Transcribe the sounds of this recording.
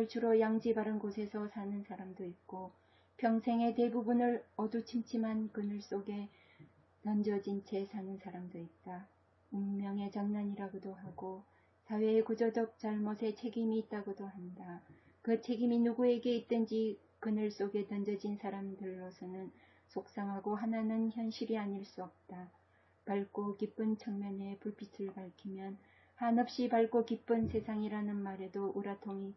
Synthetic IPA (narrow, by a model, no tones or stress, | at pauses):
ɯɭt͡ɕʰuɾʌjaŋd͡ʑibaɾɯnɡosʰe̞sʰʌsʰanɯnsʰaɾamdoit̚k͈o | pʰjʌŋsʰe̞ŋe̞te̞bubunɯɭʌdut͡ɕʰimt͡ɕʰimankɯnɯɭs͈oɡe̞ | nʌnd͡ʑʌd͡ʑint͡ɕʰe̞sʰanɯnsʰaɾamdoit̚t͈a | uŋmjʌŋe̞t͡ɕaŋnaɲiɾaɡodoɦaɡo | sʰawe̞ːkud͡ʑʌd͡ʑʌk̚t͡ɕ͈aɭmosʰe̞t͡ɕʰe̞ɡimiːt̚t͈aɡodohanda | kɯt͡ɕʰe̞ɡiminuɡue̞ɡe̞it̚t͈ɯnd͡ʑi | kɯnɯɭs͈oɡe̞nʌnd͡ʑʌd͡ʑinsʰaɾamdɯɭːosʰʌnɯn | sʰok̚s͈aŋɦaɡoɦananɯnçjʌnɕʰiɾiaɲiɭs͈uʌp̚t͈a | paɭk͈okip͈ɯnt͡ɕʰʌŋmjʌne̞puɭpʰitʰɯɭpaɭkʰimjʌn | hanʌp̚ɕ͈ipaɭkokip͈ɯnsʰe̞sʰaŋiɾanɯnmaɾe̞doʔuɾatʰoŋi